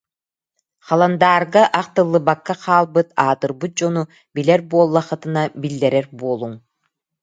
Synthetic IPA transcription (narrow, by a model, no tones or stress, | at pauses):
χɑlˠand̪aːɾɡaʔaqt̪ɯlˠːɯbakːaqʰaːlˠbɯt̪aːt̪ɯɾbɯt̪̚d͡ʑɔnu | bilɛɾbuɔlˠːaχɯt̪ɯnabilːɛɾɛɾbuɔlˠuŋ